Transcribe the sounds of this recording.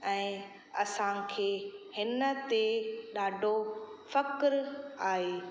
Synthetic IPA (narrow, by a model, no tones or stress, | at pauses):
ɛ̃ː | ɐsãkʰeːhɪnə̆t̪eɗaːɖʱofɐkɾaːɦeː